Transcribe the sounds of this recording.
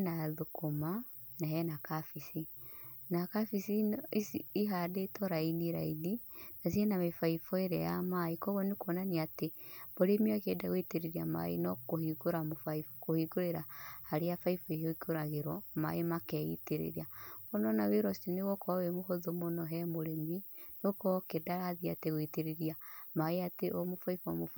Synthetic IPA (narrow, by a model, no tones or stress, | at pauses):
naðokoma | naɦɛnakafisinakafisiisiɦadetɔɾainiɾaininas̬ienamefaifɔeɾɛ̰jamaikɔɣɔnekwɔnaniateboɾemiakɛdaɣweteɾeɾiama̰ḛnɔkohikoɾamofaifkohiɡoɾeɾahaɾeafaifɔioikoɾaɣeɾɔma̰emakɛḭteɾḛɾiaɣonɔnaweɾɔsineɣɔkɔwemohoðomonɔɦɛmoɾeminokɔkedaɾaðia̰teɣoiteɾeɾiamaeateʔɔmofaifɔ̰mof